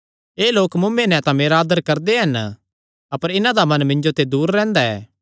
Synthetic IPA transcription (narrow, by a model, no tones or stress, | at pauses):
eːloːkmʊmːẽnɛ̃t̪ãmeːɾaːd̪əɾkɐɾd̪eɦɐn | ɐpəɾɪnãd̪amɐnmɪ̃ɲd͡ʒot̪ed̪uːɾːɛ̃ːnd̪aɛ̰ː